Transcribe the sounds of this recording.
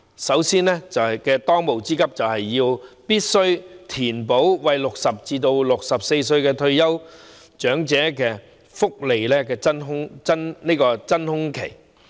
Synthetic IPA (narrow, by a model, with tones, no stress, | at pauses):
sɐ˨˥wsiː˥nlɛː˥t͡sɐ˨whɐ˨kɛː˧t̪ɔː˥ŋmo˨˩wt͡siː˥kɐ˥p̚t͡sɐ˨whɐ˨jːiː˧wpiː˥t̚sɵ˥ɥt̪ʰiː˨˩npo˨˥wwɐ˨˧jlʊ˨k̚sɐ˨p̚t͡siː˧t̪o˧wlʊ˨k̚sɐ˨p̚se˧js̬ɵ˧ɥkɛː˧t̪ʰɵ˧ɥjɐ˥w | t͡ʃœː˨˥ŋt͡sɛː˨˥kɛː˧ | fʊ˥k̚le˨jlɛː˥kɛː˧t͡sɐ˥nɦʊ˥ŋt͡sɐ˥nne˥jkɔː˧t͡sɐ˥nhʊ˥ŋkʰe˨˩j